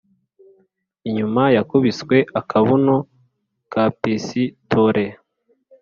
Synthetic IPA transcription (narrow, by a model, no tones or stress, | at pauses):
iɲumajakuβiskwe̞ʔakʰaβuno | kapisitʰoɾʔe